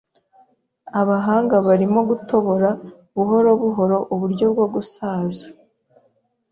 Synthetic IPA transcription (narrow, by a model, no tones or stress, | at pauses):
aβaɦaːŋɡaβaɾimo̞ɡuto̞βo̞ɾa | βuɦo̞ɾo̞βuɦo̞ɾo̞ʔuβuɾɟo̞b̚ɡoɡusaːzḁ